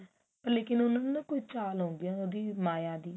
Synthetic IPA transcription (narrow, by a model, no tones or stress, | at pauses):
pəlekɪ̃nonankoit͡ʃaːlõbiãod̪iːmaːjaːd̪iː